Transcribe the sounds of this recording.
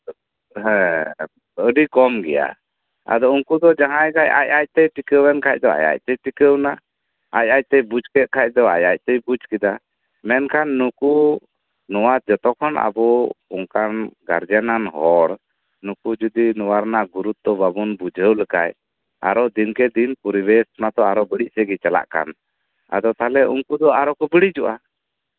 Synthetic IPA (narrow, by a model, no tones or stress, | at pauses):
ɦɛ̃ | əɖikɔmɡɛja̰ | a̰d̪ɔuŋkud̪ɔd͡ʒãɦãjɡaja̰jac̚t̪ɛjʈikəwɛnkʰac̚d̪ɔa̰ja̰c̚t̪ɛjʈikəwna | aj̚aj̚t̪ɛjbud͡ʒkɛt̪̚ˀkʰac̚d̪ɔa̰jac̚ˀt̪ɛjbud͡ʒkid̪a | mɛnkʰanːuku | nɔwad͡ʒɔt̪ɔkʰɔnʔa̰bɔuŋkanɡa̰ɾd͡ʒananɦɔɽ | nukud͡ʒud̪inɔwaɾnaɡuɾut̪̚ːɔbabunbud͡ʒʱəwləkaj | a̰ɾɔd̪inkɛd̪inpɔɾibɛsɔnat̪ɔaɾɔbəɽic̚sɛɡit͡ʃala̰ʔka̰n | a̰d̪ɔt̪alɛʔuŋkud̪ɔaɾɔkɔbiɽiʔd͡ʒuʔa